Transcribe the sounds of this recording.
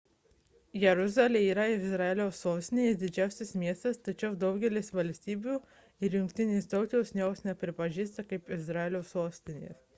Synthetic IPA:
jɛɾʊzɑːlʲeːiːɾɐɪɪzɾɐɛlʲoːsoːsʲt̪ʲɪnʲeːsd̪ʲɪd͡ʒʲæˑʊsʲɪsmʲiɛst̪ɐst̪ɐt͡ʃʲɛʊd̪ɒʊɡʲɛlʲɪsʋɐlʲsʲt̪ʲiːbʲuː | ɪɾjʊŋkʲt̪ʲɪnʲeːst̪ɐʊk̪ʲɛʊsʲnʲɛoːsnʲɛpʲɾʲɪpɐʒʲiːst̪ɐkɐɪpɪzɾɑɛlʲoːsoːsʲt̪ʲɪnʲḛːs

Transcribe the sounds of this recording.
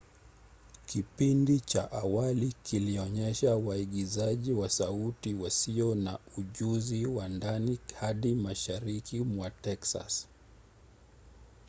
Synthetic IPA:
kipindit͡ʃaʔawalikiliɔɲɛʃawaiɠizaʄiwasautiwasiɔnauʄuziwandanihaɗimaʃaɾikimwatɛksa̰s

